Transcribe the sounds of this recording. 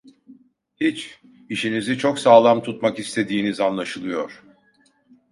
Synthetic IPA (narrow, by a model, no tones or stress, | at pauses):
hit͡ʃ | iʃinizit͡ʃʰoksaːlˠamt̪ʰut̪makist̪ʰe̞d̪iːnizanlˠaʃɯlˠɯjoɾ̥